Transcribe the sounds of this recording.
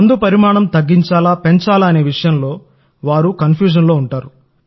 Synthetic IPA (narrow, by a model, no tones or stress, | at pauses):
ɐnd̪upɐɾimaːɳɐmt̪ɐɡːiɲt͡ʃaːlaːpe̞ɲt͡ʃaːlːne̞ːʋiʂɐjɐnlo̞ː | ʋaːɾukɐnpʰjuːd͡ʒ̬ɐnlo̞ːuɳʈaːɾu